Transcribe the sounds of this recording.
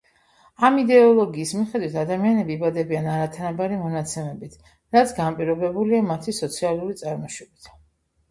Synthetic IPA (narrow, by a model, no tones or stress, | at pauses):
amid̪ɛɔlˠɔɡiːsmiχɛd̪wit̪ʰad̪amianɛbiːbad̪ɛbianaɾat̪ʰanabaɾimɔnat̪sʰɛmɛbit̪ʰ | ɾat̪sʰɡanpʼiɾɔbɛbuliamat̪ʰisɔt̪sʰialˠuɾit̪sʼaɾmɔʃwɛbit̪ʰ